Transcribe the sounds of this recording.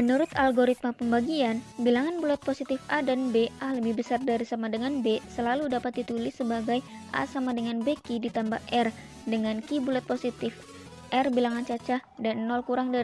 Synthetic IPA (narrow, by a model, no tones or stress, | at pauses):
mənuɾʊt̪alɡoɾit̪̚mapəmbaɡianbilaŋanbulat̪̚posit̪ɪfadanbeʔaləbɪhbəsardaɾisamadəŋanbesəlaludapat̪̚dit̪ulɪsːəbaɡajʔa̰samadəŋanbekidit̪ambahʔɛr | dəŋankibulat̪̚posit̪ɪf | ʔɛrbilaŋant͡ʃat͡ʃahdanːɔlkuɾaŋda